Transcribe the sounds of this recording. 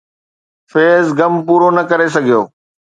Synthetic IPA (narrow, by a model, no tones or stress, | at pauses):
feːzɡɐmpuːɾonɐkɐɾes̬ɐɡʱijo̰ː